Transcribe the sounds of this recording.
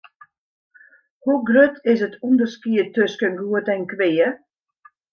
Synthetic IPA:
huɡrøtʰɪsətʰundərskiətøskənɡuətɛnkʋeːə

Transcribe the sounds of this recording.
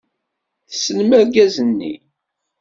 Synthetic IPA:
θəsːənmæɾɡæzənːḭ

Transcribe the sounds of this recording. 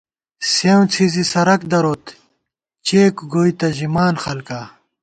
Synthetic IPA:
sew̃t͡sʰizisɐɾɐkd̪ɐɾot̪ | t͡ɕeːkɡoːjt̪ɐʑimaːnxɐlkaː

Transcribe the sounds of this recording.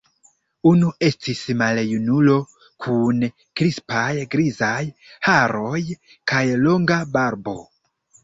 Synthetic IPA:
unuʔe̞stismaljunulo̞ | kʰun | kɾispajɡɾizajhaɾo̞j | kajlo̞ŋɡabaɾbo̞

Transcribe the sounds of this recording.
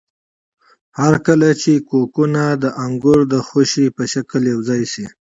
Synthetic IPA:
haɾkəlat͡ʃekokunad̪əʔaŋɡʊɾd̪əxoʃipəʃakəljawzɑjsi

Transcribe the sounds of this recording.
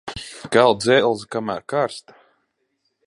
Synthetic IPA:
kælˠd̪zɛlˠzkamæːɾkaɾst̪

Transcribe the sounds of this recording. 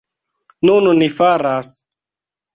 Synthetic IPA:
nunnifaɾas

